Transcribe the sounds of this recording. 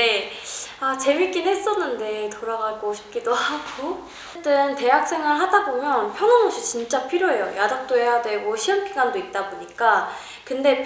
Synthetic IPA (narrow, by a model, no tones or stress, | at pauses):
e | at͡ɕe̞mik͈inɦe̞s͈ʌnːɯnde̞toɾaɡaɡoɕʰi̥p̚k͈idohaɡo | t͈ɯnte̞jak̚s͈e̞ŋɯɭɦadabomjʌnpʰjʌŋʌnoɕʰit͡ɕint͡ɕ͈apʰiɾjoɦe̞jo̰jadak̚t͈oɦe̞jadwe̞ɡoɕʰiʌmkiɡandoit̚t͈aboɲik͈a | kɯnde̞